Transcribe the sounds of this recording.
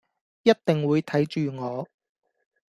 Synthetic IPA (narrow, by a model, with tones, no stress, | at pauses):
jɐ˥t̚t̪ɪ˨ŋwuː˨˧jt̪ʰɐ˨˥jt͡ʃyː˨ŋɔː˨˧